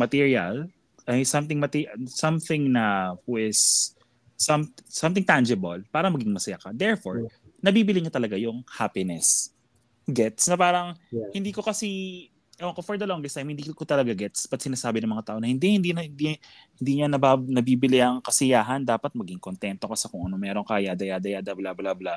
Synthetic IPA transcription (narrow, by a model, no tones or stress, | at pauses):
mɐt̪iːɹiɐ̰l | ɐjsɐmt̪ɪŋmɐt̪isɐmθɪ̃ŋnɐhɪsː | ɐmsɐ̃mt̪ɪŋt̪and͡ʒɪbɐlpaːɾɐŋmɐɡɪŋmɐsɐjakɐd̪ɛɹfo̰ɹnɐbiːbɪlɪɲat̪ɐlɐɡajʊŋhaːpɪnɛs | ɡɛt̪snɐpaːɾɐŋhɪnd̪iːko̞kɐsi | ʔɛokofɔɹd̪ɐloŋɡɛst̪ajmhɪnd̪ikot̪ɐlɐɡaɡɛt̪spɐt̪̚sɪnaːsaːbɪnɐŋmɐŋat̪aːʔo̞nɐhɪnd̪ihɪnd̪inɐɪnd̪i | hɪnd̪iːɲɐnɐbanɐbiːbɪlɪʔɐŋkɐsɪjaːɦɐnd̪aːpɐt̪̚mɐɡɪŋkont̪ɛnt̪o̞kɐsɛkoŋʔɐno̞mɛːɾo̞ŋkajad̪ɐjad̪ɐjad̪ɐblablabla